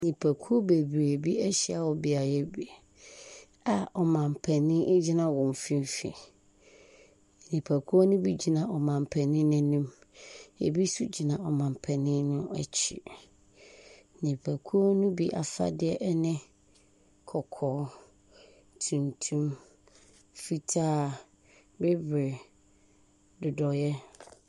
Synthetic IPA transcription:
ɲĩ˨pʰæ˨kʰu˦o˦be˨bɾe˨bi˦ɛ˦ɕi˦a˨wɔ˨bi˨a˨jɛ˦bi˨ | a˨ɔ˨mã˨m˨pʰɛ˨nɪ̃˦d͡ʑi˦nã˦wɔ̃˨m˨fĩ˦m˦fḭ̃˨ | nĩ˨pʰæ˨kʰu˦o˦nʊ̃˦bi˦d͡ʑi˨nã˨ʔɔ˨mã˨m˨pʰɛ˨nɪ̃˦nʊ̃˦nĩ˦m | ḛ˨bi˦su˦d͡ʑi˨nã˨ɔ˨mã˨m˨pʰɛ˨nɪ̃˦nʊ̃˦æ˨t͡ɕʰḭ˨ | nĩ˨pʰæ˨kʰu˦ɔ˦nʊ̃˦bi˦ʔa̰˨fa̰˦dɪ˦ɛ˦ʔɛ˦nɪ̃˦ | kʰɔ˨kʰɔː˨˦ | tʰũ˨ntʰũ˦m | fi˦tʰaː˦ | be˦bɾɪ˨ | dʊ˨dɔ˨jɛ˦

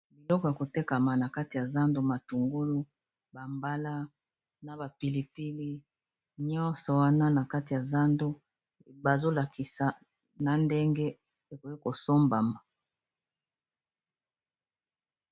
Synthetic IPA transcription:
bi˨lɔ˦kɔ˨ja˨ko˨te˦ka˨ma˨na˨ka˦ti˨ja˨za˦ndo˦ma˨tu˨ŋɡo˦lu˦ | ba˨mba˦la˦ | na˨ba˨pi˨li˨pi˦li˦ | ɲɔ˦nsɔ˨wa˦na˦na˨ka˦ti˨ja˨za˦ndo˦ | ba˨zo˦la˨ki˨sa˨ | na˨nde˦ŋɡe˦ | e˨ko˨ki˦ko˨so˦mba˨ma˨

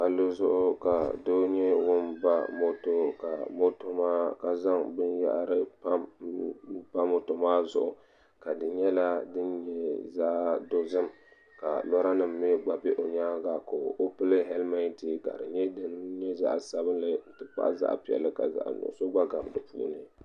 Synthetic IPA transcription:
ʔa˨lo˦zʊ˦ʔʊ˦ka˨do˦ɲɛ˦wʊ˦nba˦mo˦to˦ka˨mo˦to˦maː˦ka˨za˦ŋbɨ˦nja̰˦ʔɾɨ˦pa˦m | ba˦mo˨to˨maː˦zʊ̰˦ʔʊ˨ | ka˨dɨ˨ɲɛ˦la˦dɨ˦nɲɛ˦za˦ʔdo˦zɨ˦m | ka˨nɔ˦ɾa˦nɨ˨mː˨e˦ɡ͡ba˨be˦ʔo˨ɲaː˦ɡa˨ko˨o˦pɨ˦lɨ˦ɦɛ˦lma˦n˦ti˨ka̰˨dɨ˨ɲɛ˦dɨ˦nɲɛ˦za̰˦ʔsa˦bɨ˦nlɨ˦n̩˨tɨ˦pa̰˦ʔza̰˦˨ʔpi˨ɛ̰˨lɨ˦ka̰˨za̰˨ʔno̰˨so˦ɡ͡ba˦ɡa˨bdɨ˨pṵ˦nɨ˨

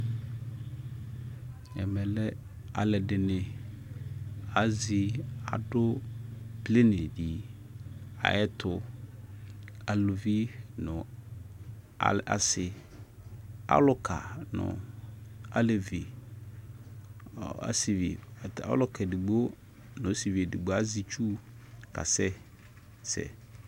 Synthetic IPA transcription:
ɛ̰˨mɛ˨lɛ˦ | a̰˨lɛ˨dɪ˨nɪ˨ | a˨zi˨a̰˨dʊ˦ble˦ne˨di˨ | a̰˨jɛ˦tʰʊ˨ | a˨lʊ˨vi˦nʊ̃˨ | a̰˨a̰˨sɪ˨ | a̰˦lʊ˦kʰa˨nʊ̰̃˨ | a̰˦le˨vi˨ | a̰˨si˨vḭ˨a̰˦lʊ˦kʰɛ˨dɪ˨ɡ͡bo˦ | nʊ̃˨˦si˨vi˨dɪ˨ɡ͡bo˨a˦zi˨t͡ʃu˦ | ka̰˨sɛ˦ | sɛ̰˨

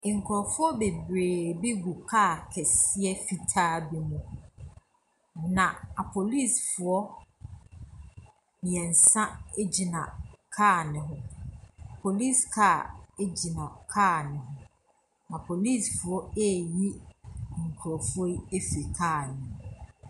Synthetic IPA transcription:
ŋ̩˨kʰɾɔ˨fʊ˦ɔ˦be˨bɾeː˨bi˦ɡu˨kʰaː˦˨kʰɛ˨sɪ˦ɛ˦fi˨tʰaː˦bi˦mʊ̃˦ | nã˨a˨pʰo˨li˦sfʊ˨ɔ˦ | mɪ̃˨ɛ̃˨n̩˨sã˦e˦d͡ʑi˨nã̰˨kʰaː˦˨nɪ̃˨ɦʊ̃˦ | pʰo˨li˦˨skʰa˦˨e˦d͡ʑi˨nã˨kʰaː˦˨nɪ̃˨hʊ̃˦ | nã˨pʰo˨li˦˨sfʊ˨ɔ˦e˦˨ji˦ŋ̩˨kʰu˨ɾɔ˨fɔ˦i˦e˦fi˨kʰaː˦˨nɪ̃˨

